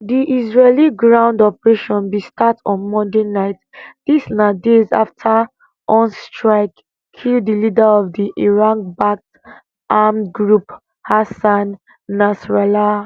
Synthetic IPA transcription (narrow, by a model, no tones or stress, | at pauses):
diʔizɹeliɡɹãʊ̃ndɔpəɹeʃɔ̃nbistatɔ̃nmɔ̃ndenaɪt | d̥isnadeza̰ftʰa | ʔɔ̃nstɹaɪkʰː | ildilidaɔvdiʔiɹãkbak | ʔamɡɹup | hasãnː | asɹɛla